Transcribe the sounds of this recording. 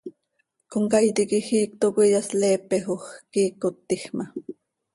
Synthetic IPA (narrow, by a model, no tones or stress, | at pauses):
koŋkajt̪ikixiːk̚t̪okʷijasleːpexoxkiːkot̪ːixma